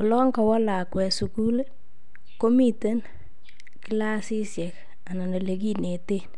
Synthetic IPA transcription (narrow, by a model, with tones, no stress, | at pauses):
ʊ˨lɔ˦ŋɡa˨wɔ˦la˨kwɛ˨su˨ku˦l | ko˦mi˦te˦n | ki˦la˦si˦sjɛ˨k | a˨na˨no˨le˨k̬i˦ne˨te˦n